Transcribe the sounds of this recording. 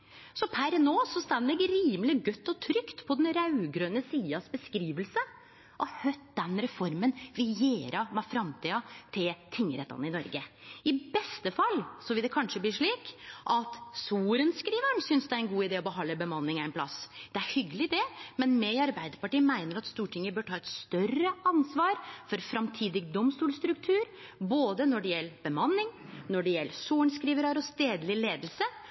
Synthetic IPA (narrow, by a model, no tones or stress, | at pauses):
sɔpʰæɾnoːsɔst̪ɑnːəd̪ɛɡɾiːməlɪɡœt̪ːɔt̪ʰɾʏkt̪pʰɔd̪ɛnɾɑʉɡɾøːnəsiːɑsbəskɾiːʋəlsə | ʔɔhœt̪̚d̪ɛnɾɛfɔɾmənʋɪjeːɾɑmɛfɾɑmt̪ʰiːɑt̪ʰɪlt̪ʰɪŋːəɾɛt̪ːɑ̰nəɪnɔɾɡəɪbɛst̪əfɑlːsɔʋɪld̪ɛkʰɑnʂəblɪːʂɭiːkʔɑt̪suːɾənskɾiːʋəɳsʏnsd̪ɛæɾɛnɡuːɪd̪eːɔbəɦɑnəbəmɑnːɪŋɛɪnpʰlɑ̰sd̪̥ɛæɾhʏɡəlɪɪd̪ɛmɛnmɛɪɑɾbæɪd̪əɾpɑʈiːmæɪnəɾɑt̪st̪uːʈʰɪŋːəbœːʈʰɑːɛt̪st̪œrəɑnsʋɑːɾfɔɾfɾɑmt̪ʰiːd̪ɪɡd̪ɔmst̪uːlst̪ɾʉkt̪ʰʉːɾboːd̪ənɔɖɛjɛlːbəmɑnːɪŋnɔɖɛjɛlːsuːɳskɾiːʋəɾɑɾɔst̪eːd̪lɪleːd̪əl̩sə